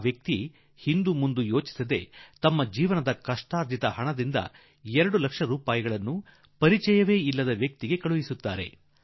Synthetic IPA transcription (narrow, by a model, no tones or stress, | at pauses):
ʋjɐk̚t̪i | hind̪umund̪ujo̞ːt͡ʃi̥sɐd̪e̞̰t̪ɐmːɐd͡ʒiːʋɐnɐd̪ɐkɐʂʈaːɾd̪ʱit̪ɐhɐɳɐd̪ind̪ɐ̰ | ɛɾɐɽulɐkʂɐɾuːpaːjɐɡɐɭɐnːu | pɐɾit͡ʃɛjɐʋe̞ːilːɐd̪ɐʋjɐk̚t̪iɡe̞kɐɭuʋisut̪ːaːɾe̞̰